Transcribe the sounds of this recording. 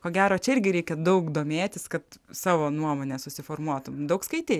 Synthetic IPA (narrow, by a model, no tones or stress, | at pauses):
koːɡʲæːɾoːt͡ʃʲɛɪɾʲɡʲɪɾʲɛɪkʲɛd̪ɐʊkd̪oːmʲeːt̪ʲɪskɐt̪sɑːʋoːnuɔmoːnʲɛsʊsʲɪfoːrmuɔt̪ʊmd̪ɐʊkskɐɪt̪ʲeː